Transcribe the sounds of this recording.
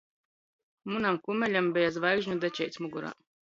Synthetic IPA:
munamkumɛlʲambɛjazvajɡʒɲud̪ɛt͡ʃɛjt̪sʲmuɡuɾa̰ː

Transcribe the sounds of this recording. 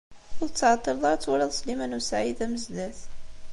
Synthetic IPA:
ʊt͡sːʕɑt̪ˤːəɾðˤɑɾt͡sːwælæðˤslimænusʕid̪æməzd̪æθ

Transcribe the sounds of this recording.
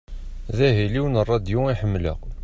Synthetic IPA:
ðæɦiliwnərˤːɑd̪juiħəmːlə̰q

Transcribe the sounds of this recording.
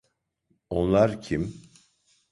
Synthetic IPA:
onlˠaɾcʰim

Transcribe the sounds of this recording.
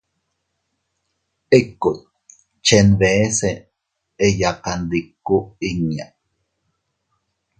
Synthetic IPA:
ekːut̪ | t͡ʃenβese | ejakand̪ikːuiɲa

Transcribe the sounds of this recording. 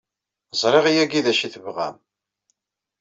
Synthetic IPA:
zˤɾˤeʁijæɡiðæʃiθəvʁæ̰m

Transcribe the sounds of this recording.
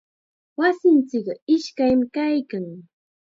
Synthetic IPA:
wasɪnt͡sɪkɪʃkajmɪkajkaŋ

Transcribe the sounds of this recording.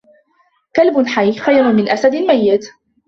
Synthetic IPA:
kalbʊnħajːxajɾˤʊmɪnʔasad̪ɪlmajːɪt̪

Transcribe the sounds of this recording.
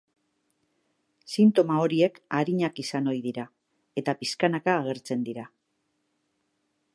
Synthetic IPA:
sint̪o̞mao̞ɾie̞kaɾiɲakisano̞jðiɾa | e̞t̪apiskanakaːɣ̞e̞ɾt͡se̞nd̪iɾa

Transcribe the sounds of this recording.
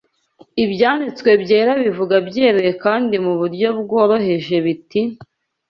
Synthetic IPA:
ibjaːnit͡skwe̞bje̞ːɾaβivuɡabɟe̞ːɾejekaːndimuβuɾɟo̞bɡo̞ːɾo̞ɦe̞ʒe̞βiti

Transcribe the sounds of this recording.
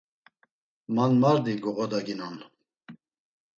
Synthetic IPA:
manmaɾd̪iɡɔʁɔd̪aɡinɔn

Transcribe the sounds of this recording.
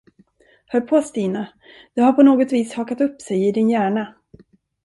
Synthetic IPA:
hœɾpʰɔst̪iːna | d̪ɵhaɾpʰɔnoːɡɔt̪viːshɑːkat̪ɵpːsɛjɪd̪ɪnjæːɳa

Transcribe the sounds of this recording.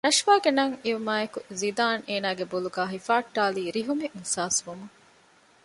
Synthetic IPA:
nɐʃʋaːɡenɐŋiumaːekuzid̪aːneːnaːɡeboluɡaːɦifaːʈːaːliːɾiɦumemusaːsʋumuŋ

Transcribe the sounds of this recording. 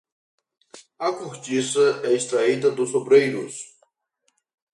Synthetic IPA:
ɐkuɾt͡ʃisɐɛist̪ɾaid̪ɐd̪ʊsobɾejɾʊs

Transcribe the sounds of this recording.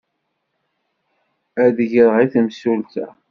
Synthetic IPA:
æðəʝəɾʁiθəmsult̪æ̰

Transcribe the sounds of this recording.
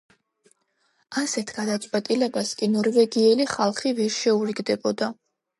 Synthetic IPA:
asɛt̪ʰɡ̥ad̪at̪sʼwɛt̪ʼilɛbaskʼinɔɾvɛɡiɛliχalˠχivɛɾʃɛuɾiɡd̪ɛbɔd̪a

